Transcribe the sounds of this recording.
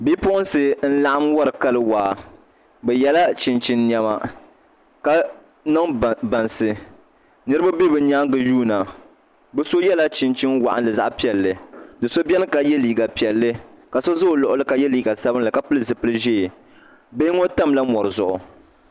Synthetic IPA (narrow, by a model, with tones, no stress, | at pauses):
bi˦pʊ˦ʔʊ˦nsɨ˨n̩˦la˨ʔa˦mwa˦ɾɨ˨ka˦lɨ˦waː˨˦ | bɛ˨jɛ˦la˦t͡ʃɪ˨nt͡ʃɪ˦nː˨ɛ˦ma̰˨ | ka˦ | nɨ˦ŋba˨nsɨ˨ | nɨ˦ɾɨ˦ba˦be˦bɨ˨ɲaː˦ɡɨ˨juː˦na˨ | bɛ˦so˦jɛ˦la˦t͡ʃɪ˨nt͡ʃɪ˦nwa̰˨ʔa̰˦nlɨ˨za̰˦ʔpi˨ɛ˨lːɨ˨dɨ˨so˦bʲɛ˦n˦ka˨jɛ˦liː˨ɡa˨pi˨ɛ˨lːɨ˦ka˨so˦zo˦˨lɔ˨ʔʊ˦lɨ˦ka˨jɛ˦liː˨ɡa˨sa˦bɨ˦nlɨ˨ka˨pɨ˦lɨ˦zɨ˨pɨ˦lɨ˦ʒeː˦˨ | be˦ŋo˦ta˦mla˦mɔ˨ɾɨ˨zʊ̰˨ʔʊ˨